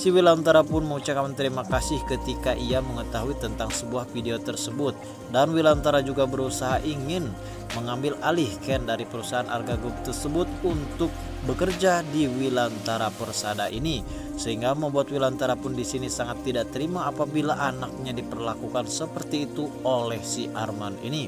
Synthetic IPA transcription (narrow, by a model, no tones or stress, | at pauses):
siwilant̪aɾapʊnməŋut͡ʃakant̪əɾimakasɪhkət̪ikaʔiaməŋət̪aɦuit̪ənt̪aŋsəbuahfideot̪ərsəbʊt̪̚ | danwilant̪aɾad͡ʒuɡabəɾusaɦaʔiŋɪn | məŋambɪlalɪhkɛndaɾipəɾusaana̰rɡaɡʊp̚t̪ərsəbʊt̪̚unt̪ʊk̚ | bəkərd͡ʒadiwilant̪aɾapərsadaʔḭni | səɦiŋɡaməmbuat̪̚wilant̪aɾapʊndisinisaŋat̪ːidaʔt̪əɾimaːpabilaʔanak̚ɲadipərlakukansəpərt̪iːt̪uolɛhsiʔarmanḭni